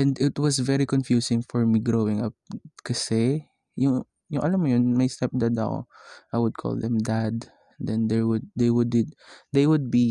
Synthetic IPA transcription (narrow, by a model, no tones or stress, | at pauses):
ʔɛ̃nd̪ɪt̪wɔsvɛɾikɔnfjuːsɪ̃ŋfɔɹmiɡɹowɪ̃ŋɐp̚kɐsɛ | jʊŋ | jʊŋʔɐlɐmːojʊnmɐjst̪ɛp̚d̪ad̪ɐ̰ko̰ʔajwʊd̪̚kʰɔ̰ld̪ɛ̃md̪ad̪ | d̪ɛ̃nd̪ɛɹwʊd̪̚ːejwʊd̪ɪd̪̚d̪ejwʊd̪̚bi